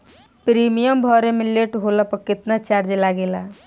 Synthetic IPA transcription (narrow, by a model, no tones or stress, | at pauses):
pɾimijəmbʱɔɾemeleʈɦolapəkit̪nat͡ʃaɾd͡ʒelaɡela